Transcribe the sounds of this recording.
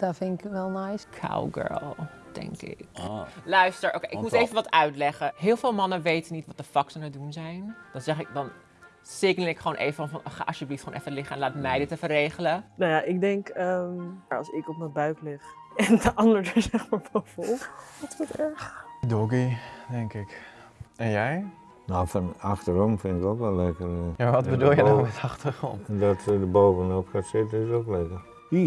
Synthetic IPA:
d̥ɔtfɪnɪkʋɛlˠnajskʰa̰wɡɜ̰ɹllˠd̥ɛ̰ŋkɪ̰klœɥstəɹʔo̰wkejʔɪkmueːfəʋɑtœɥtlɛχəɦɪːlˠvɪːlˠmɑnəʋejtənitʋɑt̚dəfɑktənədunzɛjnd̥ɑnzɛχɪk̚dɑn | sɪɡnəl̩ɪkχəoːnʔḛːjvəfɔnfɑnʔɔχa̰ʔɑ̰sjəbliftχoːnɛfəlɪχəɛnlaːtmɛjdɪtɛfərejχələnajaʔɪk̚dɛŋkəmɑ̰lˠsɪkɔp̚nəbœɥklɪχɛndəʔɑndəɹdəsɛχmaːɹfɔlfɔlˠdɔtʋɔltɛɹχdɔɡidɛŋkɪk | ɛnjɛj | nowfɑnɑχtərɔmfɪntɪkokʋɛlˠɛkərjaʋɑtbədulˠjədɔmɛtɑχtərχrɔ̰ntndɔtədəbowvənopχatsɪtənɪsoklɛkər | i

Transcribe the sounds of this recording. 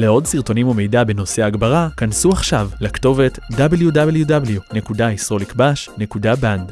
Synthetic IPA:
le̞o̞dsiʁt̪o̞nimume̞jdabeno̞seaːɡbaʁakansuaχʃavlakto̞ve̞tdabeljudabeljudabljune̞kudaisʁo̞likbaʃne̞kudaband

